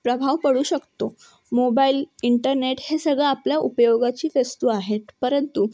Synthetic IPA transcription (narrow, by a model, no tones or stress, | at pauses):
pɾəbʱaʋkəɽuːɕəkt̪o | mobailiɳʈəɾneʈhesəɡɭaːpljaʔupəjoɡat͡ɕiːfest̪uaɦet̪pəɾənt̪u